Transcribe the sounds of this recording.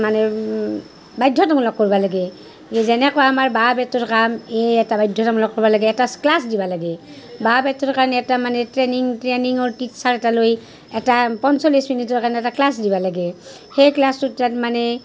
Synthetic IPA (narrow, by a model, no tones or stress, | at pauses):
manɛ | bajdʱːɔtamɔlɔkːoɹibalaɡɛ | ɛzɛnɛkɔaamaɹbabɛtɔɹkameɛtabajdʱːɔtamɔlɔkːɔɹbalaɡɛːtasklasdibalaɡɛ | babɛtɔɹkaɹnɛɛtamanɛtɹeniŋtɹeniŋɔɹtitsaɹɛtaloj | ɛtapɔnsolisminitɔɹkaɹnɛɛtaklasdibalaɡɛ | xejklastutatmanɛ